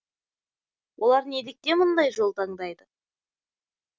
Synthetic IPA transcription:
wʔo̞lˠɑɾned̪ek̚t̪e̞mʊnd̪ɑjʒo̞lˠt̪ʰɑɴd̪ɑjd̪ə

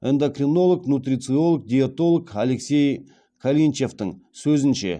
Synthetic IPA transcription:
end̪okrino̞lˠoknut̪rʲit̪sɨo̞lˠk̚d̪ʲiat̪o̞lˠokale̞ksʲe̞j | kʰalʲint͡ʃe̞ft̪əŋsɵzɪnʃe̞̰

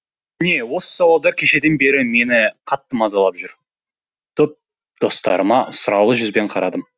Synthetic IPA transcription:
ɪne̞wo̞sə̥sɑwɑlˠd̪ɑɾkʲʰe̞ʃe̞d̪e̞nbe̞ɾɪme̞nɪqʰɑt̪ːəmɑzɑlˠɑpʒʏɾ | t̪ʰɵp̚ | d̪̥o̞st̪ɑ̰ɾəmɑsʊɾɑwlˠəʒʏzbe̞ɴqʰɑɾɑd̪əm

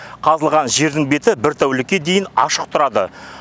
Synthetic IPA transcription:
qʰɑzəlˠʁɑnʒe̞ɾd̪ɪŋbe̞t̪ɪbɪɾt̪ʰæwlɪkʲːe̞d̪e̞jɪnɑ̰ʃəq̚t̪ʰʊɾɑd̪ə̰

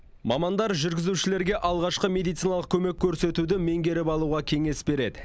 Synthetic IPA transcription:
mɑmɑnd̪ɑɾʒʏɾɡʲɪzuʃɪle̞ɾɡʲe̞ʔɑlˠʁɑʃqəmʲe̞d̪ijt̪sijnɑlˠəq̚kʲʰɵme̞kʲʰːɵɾse̞t̪ud̪ɪme̞ŋɡʲe̞ɾɪpɑlˠuʁɑkʲʰe̞ŋe̞sbe̞ɾe̞d̪ɪ

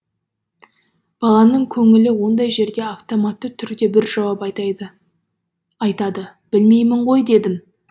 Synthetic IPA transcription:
b̥ɑlˠɑnəɴkʲʰɵŋɪlɪwo̞nd̪ɑjʒe̞ɾd̪e̞aft̪omat̪ːət̪ʰʏɾd̪e̞bɪɾʒɑwɑpɑjt̪ɑjd̪ə | ɑjt̪ɑd̪ə | b̥ɪlme̞jmɪɴʁo̞jd̪e̞d̪ɪm

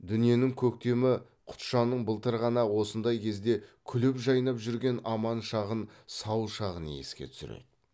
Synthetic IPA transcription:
d̪ʏnije̞nɪŋkʲʰɵk̚t̪e̞mɪ | qʰʊ̥t̪ʃɑnːəɴbəlˠt̪əɾʁɑnɑwo̞sənd̪ɑjkʲʰe̞zd̪e̞kʲʰʏlʏpʒɑjnɑpʒʏɾɡʲe̞nɑmɑnʃɑʁənsɑwʃɑʁənə̰e̞̰skʲe̞t̪ʰʏ̥sɪɾḛd̪ɪ

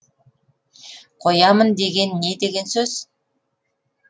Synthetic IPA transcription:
qʰo̞jɑmənd̪e̞ɡʲe̞nːe̞d̪e̞ɡʲe̞nsɵz̥

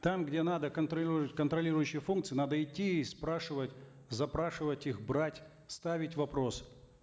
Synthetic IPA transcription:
t̪amɡdʲenad̪əkənt̪ɾɐitʲkənt̪ɾɐlʲiɾʊjʏɕːɪjəfunk̚tsɨɪnad̪əɪtʲːiːspɾaʂɨvətʲ | zɐpɾaʂɨvətʲixbɾatʲ | st̪avʲɪtʲvɐpɾo̞s

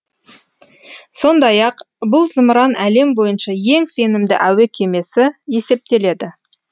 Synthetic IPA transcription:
so̞nd̪ɑjɑq | bʊlˠzəmɾɑnæle̞mbo̞jənʃɑje̞ŋse̞nɪmd̪ɪ̰ʔæwekʲʰe̞me̞sɪje̞se̞p̚t̪e̞le̞d̪ɪ

